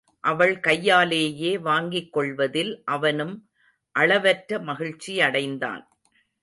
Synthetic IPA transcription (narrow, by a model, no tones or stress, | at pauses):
ʔɐʋɐɭkɐjːaːleːjeːʋaːŋɡɪkːɔɭʋɐðɪlʔɐʋɐnɯm | ʔɐɭɐʋɐʈɾɐmɐɣɪɻt͡ʃːiɐɽɐɪnd̪a̰ːn